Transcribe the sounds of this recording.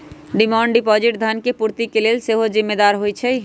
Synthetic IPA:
ɖimãɳɖɖipɔd͡ʒiʈd̪ʱənkepuɾt̪ikelelseɦod͡ʒimːed̪aɾɦojt͡ʃʰɛj

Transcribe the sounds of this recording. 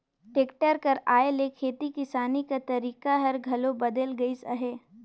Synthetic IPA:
ʈeːkʈəɾkɐɾaːelekʰeːt̪ikɪsaːnikat̪ɐɾiːkaɦɐɾɡʱɐlobɐd̪əlɡɐisɐ̰ɦeː

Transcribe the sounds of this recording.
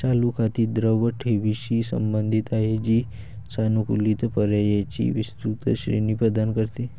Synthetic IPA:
t͡ɕalukʰat̪iːd̪ɾəʋəʈʰeʋiɕisə̰mbənd̪ʱit̪aɦed͡ʑiː | sanukṵlit̪pəɾjajat͡ɕḭʋist̪ɾut̪əɕɾḛnipəd̪ankəɾt̪e

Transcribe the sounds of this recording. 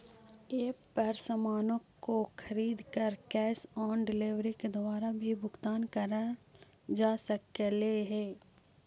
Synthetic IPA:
eː | ɐɾsəmaːnõkoxʰɐɾiːd̪kəɾkɛːsɔːnɖɪleʋɾiked̪ʊwaːɾabʱibʱʊɡt̪aːnkɐɾa | d͡ʒaːsəkleɦɛː

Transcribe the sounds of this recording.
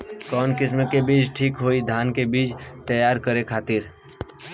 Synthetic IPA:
kɔːnkɪs̬mẽkebiːt͡ʃʈʰiːkɦoːid̪ʱaːnkebiːt͡ʃt̪əjaːɾkəɾekʰaːt̪ɪɾ

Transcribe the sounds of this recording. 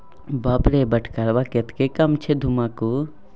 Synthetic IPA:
baːpɾebɐʈʰkaɾʋaket̪kekɐmt͡ʃʰed̪ʱumaku

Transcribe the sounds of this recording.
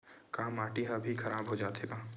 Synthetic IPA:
kaːmaːʈiɦabʱixʰɐɾaːbɦod͡ʒaːt̪eːɡaː

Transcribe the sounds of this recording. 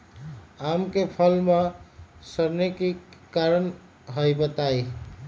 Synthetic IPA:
amkepʰəlmesəɾnekikaɾən | ɦəjbət̪aj

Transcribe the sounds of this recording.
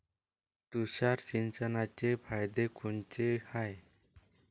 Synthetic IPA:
t̪usaɾsint͡ʃanat͡ʃepʰajd̪ekʰunt͡ʃehaj

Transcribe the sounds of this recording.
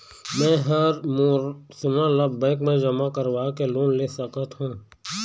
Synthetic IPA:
mɛ̃ːɦɐɾmosʊnãləbbə̃ɪkmẽd͡ʒɐmakəɾwaːkeloːnleːsəkət̪ɦũː

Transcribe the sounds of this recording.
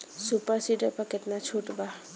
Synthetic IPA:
supəɾsiʈepəkɪt̪nat͡ʃʰuːʈba

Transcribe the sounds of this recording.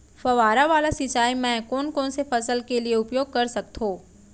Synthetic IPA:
fɐʋaːɾaʋaːlasɪt͡ʃːaːimɛ̃kɔːnkɔ̃ːnsefɐsəlkelieʊpjoːɡ̚kɐɾsɐk̚t̪ɦõː

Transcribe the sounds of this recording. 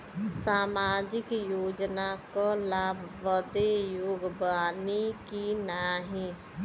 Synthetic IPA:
saːmaːd͡ʒɪkjoːd͡ʒnakalaːbʱʋəd̪ejoːɡbaːnikinaːɦĩ

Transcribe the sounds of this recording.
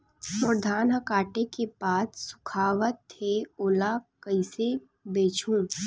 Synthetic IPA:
mʊɾd̪ʱaːnɦəkaːʈekepaːt̪sʊ̥kʰaːʋət̪ʰːeoːlakɐɪse | beːt͡ʃʰũː

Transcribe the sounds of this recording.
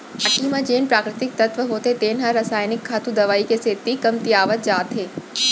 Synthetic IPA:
aʈimãd͡ʒeːnpɾaːkɾɪt̪ɪk̚t̪ɐt̪ʋəɦoːt̪et̪eːnɦaɾɐsaːjnɪkʰːaːt̪ud̪ɐʋaːikeseːt̪ikɐmt̪iaːʋət̪̚d͡ʒaːt̪ɦeː

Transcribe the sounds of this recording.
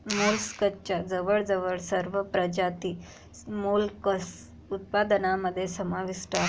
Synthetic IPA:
mulskət͡ɕad͡zəʋəɭd͡zəʋəɭsəɾʋəpɾəd͡ʑat̪iː | mulkəs | ut̪̚pad̪ənaməd̪ʱːjesəmaʋiʂʈa

